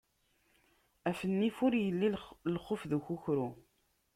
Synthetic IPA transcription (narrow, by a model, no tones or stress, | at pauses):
æfənːifʊɾjəlːilχofðuçuçɾu